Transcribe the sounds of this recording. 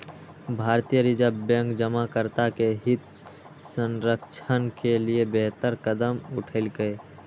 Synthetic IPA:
bʱaːɾt̪ijəɾɪd͡ʒabjɛ̃ŋkd͡ʒəmakəɾt̪akeɦɪt̪ | sə̃nɾəkt͡ʃʰənkeliebeɦt̪əɾkəd̪əmʊʈʰəɪlɡəe

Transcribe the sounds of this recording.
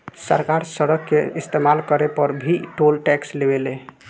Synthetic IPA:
sə̰ɾkaɾsəɾəkːeist̪emalkəɾepəɾbʱiʈolʈɛkslebele

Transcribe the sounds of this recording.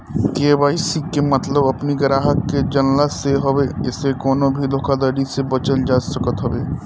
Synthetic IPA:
k̪eʋaːisiemɐt̪ləbɐpniɡɐɾaːɦəkːed͡ʒɐnlaseɦɔbeɪsekɔːnobʱiloːkad̪əɾisebɐt͡ʃəld͡ʒaːsəkət̪ɦɔbeː

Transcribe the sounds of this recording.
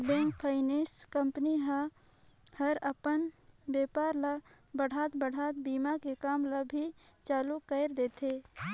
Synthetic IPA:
bẽːŋk̚pʰəɪniskəmpəniɦa | həɾəpənbeːpaːɾla | bəɽ̤ʱaːt̪bəɽ̤ʱaːt̪̚biːmakekaːmlabʱi | t͡ʃaːlukəɪɾd̪eːt̪ʰe

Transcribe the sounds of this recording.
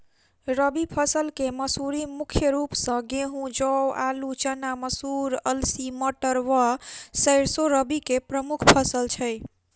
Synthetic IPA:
ɾəbipʰəsəlkeməsuɾimukʰjəɾupsə̃ɡeɦũd͡ʒɔwalut͡ʃənaməsuɾəlsiməʈəɾʋasəɾsoɾəbikepɾəmukʰpʰəsəlt͡ʃʰəj

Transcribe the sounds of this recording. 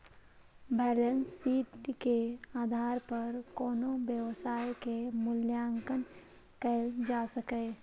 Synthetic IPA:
bʱɛːlənsːiːʈkeaːd̪ʱaːɾpəɾkoːnobjəwsaːjkemʊljaŋkən | kɛld͡ʒasəkɛː

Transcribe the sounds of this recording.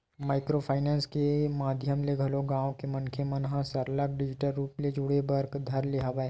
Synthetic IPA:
maːɪkɾopʰaːɪnãːnskemaːd̪ʱjəmleɡʱɐloɡãːõkemɐ̃nkʰemɐnɦãsɐɾlək̚ɖɪd͡ʒɪʈəlɾuːpled͡ʒʊɽebɐɾɡd̪ʱɐɾliɦaʋaeː

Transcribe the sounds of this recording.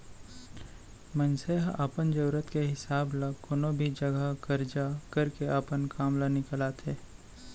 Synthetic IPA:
mənseɦəpənd͡ʒəɾət̪keɦɪsaːblakoːnobʱid͡ʒəɡəkəɾd͡ʒakəɾkeʔapənkaːmlanɪkəlaːt̪ʰeː

